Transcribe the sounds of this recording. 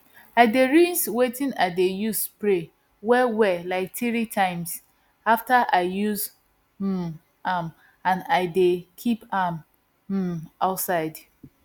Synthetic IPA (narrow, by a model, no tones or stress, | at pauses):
aɪdeɹinswetĩnaɪdejuspɹe | wɛwɛlaɪk̚tɹitʰãɪ̃ms | aftaʔaɪjuz | m̩ | am | ãnaɪdekʰipam̩ | aʊtsaɪd